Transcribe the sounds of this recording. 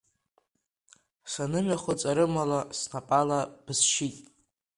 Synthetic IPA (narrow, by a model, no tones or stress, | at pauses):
sanɨmaχʷat͡sʼaɾɨmalasnapʼalab̥ɨsʃitʼ